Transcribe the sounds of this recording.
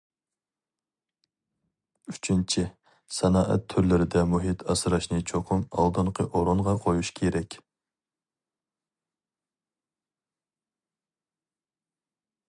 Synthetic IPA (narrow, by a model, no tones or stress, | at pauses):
yt͡ʃʰint͡ʃʰɪ | sɛnɑːʔɛ̰t̪ʰːyɾlɪɾɪd̪ɛmuɦit̪ʰɑsɾɑʃnɨt͡ʃʰoqʰʊmɑ̰lˠd̪ɨɴqʰəʔoɾonʁɑqʰojuʃkʲʰeɾɛkʲ